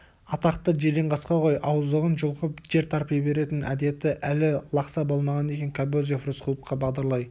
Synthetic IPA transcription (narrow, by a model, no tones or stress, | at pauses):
ɑt̪ɑqt̪əʒeɾeɴʁɑsqɑqʰo̞jʔɑwəzd̪əʁənʒʊlˠqəpʒe̞ɾt̪ʰɑɾpibe̞ɾe̞t̪ɪnʔæ̰d̪e̞t̪ɪʔælɪlˠɑqsɑbo̞lˠmɑʁɑne̞kʲe̞ŋkʰabozefrusqʰəlˠəp̚qʰɑbɑʁd̪ɑɾlˠɑj